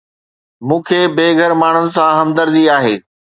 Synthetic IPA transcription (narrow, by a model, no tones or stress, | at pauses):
mũːkʰeːbeːɡʱəɾmaːɳ̤ʊnɪ̆sãɦɐmd̪əɾd̪iaːɦeː